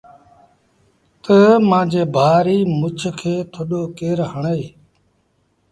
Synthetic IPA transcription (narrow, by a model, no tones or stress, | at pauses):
t̪əmãːd͡ʒeːbʱaːɾiːmʊt͡ʃʰkʰeːt̪ʰoːɗoːkeːɾɦəɳeː